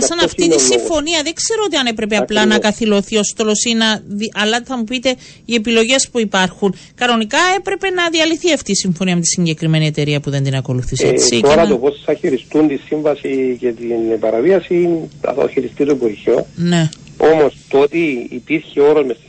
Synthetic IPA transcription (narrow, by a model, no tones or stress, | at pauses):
sɐnɐftit̪iisifo̞niɐðekse̞ɾoot̪iɐne̞pɾe̞p̬eɐplɐnɐkɐθilo̞θiost̪o̞lo̞sinɐðiʔɐlːɐθɐmupit̪e̞ | iepilo̞ʝe̞spuipɐɾxun | kɐno̞nikɐe̞pɾe̞pe̞nɐðiɐliθiɐft̪iːsiɱfo̞niɐmet̪i̥siɲɟe̞kɾime̞nie̞t̪e̞ɾiɐpuðe̞nd̪inɐko̞luθisesit̪oɾɐt̪opossɐçiɾist̪unt̪isiɱvɐsicet̪inpɐɾɐviɐsinɐ̰θɐ̰o̰çiɾist̪it̪oɡoɾço̞neomost̪ot̪iḭpiɾçeo̞ɾozmes